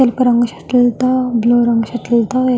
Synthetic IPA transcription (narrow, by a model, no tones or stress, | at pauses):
alpəɾəŋɡɕḁʈ̪ilt̪abloɾəŋɡɕaʈ̪ilt̪a